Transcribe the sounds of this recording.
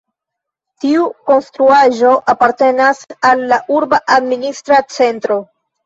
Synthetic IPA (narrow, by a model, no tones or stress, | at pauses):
tiuko̞nstɾuaʒo̞ʔapaɾte̞nasalːaʔuɾbaʔadministɾat͡se̞ntɾo̞